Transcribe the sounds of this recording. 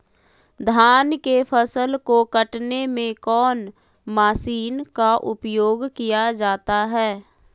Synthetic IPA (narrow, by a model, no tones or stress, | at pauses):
d̪ʱaːnkepʰəsəlkokəʈnemẽkɔːn | maːsiːnkaʔʊpjoːɡkijad͡ʒaːt̪aɦɛː